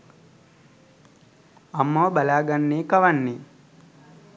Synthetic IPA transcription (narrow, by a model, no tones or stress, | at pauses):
ɐmːɐʋɐbɐlaːɡanːeːkɐʋanːeː